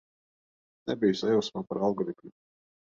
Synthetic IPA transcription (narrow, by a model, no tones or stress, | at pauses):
nʲɛbʲijsajɔwsmapaɾalˠɡɔɾikmʲu